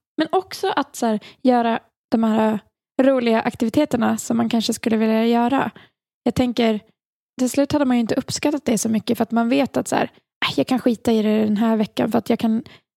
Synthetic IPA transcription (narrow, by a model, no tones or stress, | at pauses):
mɛnɔksɔʔat̪sæːɾjœːɾa | d̪̥ɔmhæːɾa | ɾuːlɪɡaʔakt̪ɪvɪt̪ʰeːt̪əɳasɔmːankʰanʂəskɵlːəvɪljajœːɾa̰ | jɑːɡ̚t̪ʰɛŋkəɾ | t̪ɪlslʉ̟ːt̪had̪ːəmanjɵɪnt̪əʔɵpːskat̪ːat̪̚d̪ɛsɔmʏkːəfœɾat̪manveːt̪at̪sæ̰ːɾ | ʔajɑːɡkʰanɧiːt̪aɪɾɛd̪ɛnɦæːɾvɛkːa̰nfœɾat̪jɑːɡkʰan